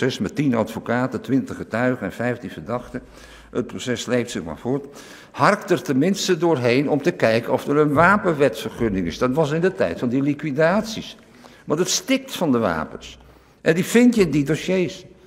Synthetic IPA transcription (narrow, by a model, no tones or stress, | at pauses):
ɛsmɛtinɑ̰tfokaːtətʋɪntəχətœɥχəɛnfɛjftinvəɹdɑχtə | ət̚prosɛslejftsɪχma̰ːɹvʊːɹt | hɑrktərtənmɪnstədʊːɹɦejnɔmtəkɛjkənɔfərənʋaːpənʋɛtfərχɵnɪŋɪ̰sdɑtʋɑs̬ɪndətɛ̰jtfɑndilikʋidaːtsis | ʋɑntətstɪk̚tfɑndəʋa̰ːpə̰ns | ʔɛndifɪntjəndidosejs